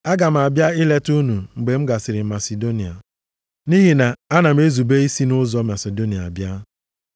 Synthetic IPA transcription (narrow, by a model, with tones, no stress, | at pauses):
a˦ɡa˨m̩˨a˨bja˦ɪ˦le˦tu˦nu˨ŋ͡m̩˨ɡ͡be˨m̩˦ɡa˨sɪ˨ɾɪ˨ma˨se˨do˦ni˨a̰˨ | ni˦ɦi˨na˨a˦na˨m̩˦e˦zu˨be˦i˦si˦nʊ˦zɔ˦ma˨se˨do˦ni˨a˨a˨bja˦